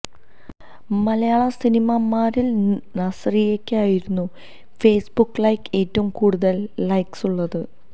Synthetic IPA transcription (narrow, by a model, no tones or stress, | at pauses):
mɐlɐjaːɭɐsinimɐmaːɾilnɐsrijekʲːeaːjiɾunːu | fe̞ːsbukːɭɐjke̞ːtːɐʋumkuːɽuðɐlːɐjksuɭːɐðɨ